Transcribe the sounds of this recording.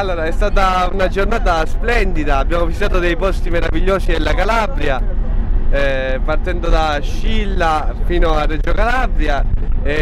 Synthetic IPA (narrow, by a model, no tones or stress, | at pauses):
alːoːɾaɛst̪aːt̪̬aunad͡ʒornaːt̪̬asplɛnd̪id̪aːbːjaːmovisit̪at̪od̪ejpɔst̪imeɾaviʎːoːsid̪elːakalabɾja | part̪ɛnd̪od̪a | ʃːilːafiːnoarːed͡ʒokalabɾjae